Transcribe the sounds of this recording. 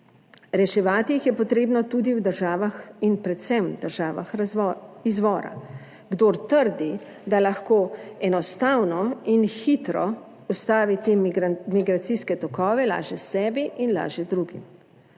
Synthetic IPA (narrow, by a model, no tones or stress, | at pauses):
ɾɛʃɛʋaːt̪ijixjɛpɔt̪ɾeːbnɔt̪ud̪iwd̪əɾʒaːʋaxinpɾɛt̪sɛmd̪əɾʒaːʋa̰x | izʋɔːɾa̰ | ɡd̪oːɾt̪əɾd̪i | d̪alaxkoːɛnɔst̪awnɔinxit̪ɾɔ | ust̪aːʋit̪eːmiɡɾat̪siskɛt̪ɔkɔːʋɛla̰ːʒɛsɛːbiʔinla̰ːʒɛd̪ɾuɡḭm